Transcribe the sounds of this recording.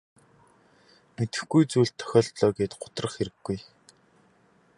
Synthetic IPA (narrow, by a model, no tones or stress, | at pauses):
met̪ɘ̆xɡujt͡suːɮt̪ʰːœ̥xʲɔːɮt̪ɮɔːɡeːt̪ɢʊ̥t̪rə̆χxeɾɘ̆ɡːuj